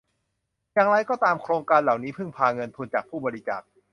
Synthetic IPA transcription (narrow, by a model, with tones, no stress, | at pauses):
jaː˨˩ŋɾa˧jkɔː˥˩t̪aː˧mkʰɾoː˧ŋkaː˧nla˨˩wniː˦˥pʰɯ˥˩ŋpʰaː˧ŋɤ˧nt̪ʰu˧nt͡ɕaː˨˩k̚pʰuː˥˩bɔː˧ɾi˦˥t͡ɕa̰ː˨˩k̚